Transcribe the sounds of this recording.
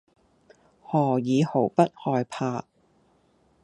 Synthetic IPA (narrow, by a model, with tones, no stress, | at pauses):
hɔː˨˩jiː˨˧ho˨˩wpɐ˥t̚hɔː˧jpʰaː˧